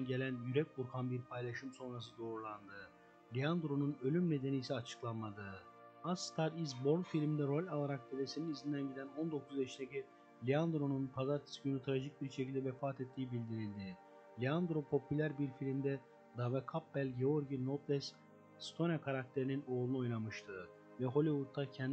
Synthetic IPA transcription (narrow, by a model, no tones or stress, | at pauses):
nɟe̞lʲænjyɾɛcbuɾkʰanbiɾpʰajlˠaʃɯmso̞nɾas̬ɯd̪o̞ːɾulˠand̪ɯ | lʲiand̪ɾo̞nunø̞lʲymne̞d̪e̞niːsɛat͡ʃʰɯ̥klˠanmad̪ɯ | ast̪ʰaɾizbo̞ɾnfilʲmid̪ɛɾo̞lʲalˠaɾak̚b̪ʰelʲesininizind̪ænɟid̪æno̞nd̪o̞kʰuzeʃineci | lʲiand̪ɾo̞nunpʰazaɾt̪ʰi̥synyt̪ʰɾaʒic̚biɾʃecilʲd̪ɛvɛfaːt̪ʰɛt̪ʰːiːibilʲd̪iɾilʲd̪ɪ | lʲiand̪ɾopʰo̞pʰylʲæɾbiɾfilʲimd̪ɛ | d̪avɛkʰapbælʲɟeoɾɟinot̪ʰlʲɛs | st̪ʰo̞nakʰaɾak̚t̪ʰe̞ɾinino̞ːlˠunuo̞jnamɯʃt̪ʰɯ | vɛɦo̞lʲivud̪̚ʰːacʰɛn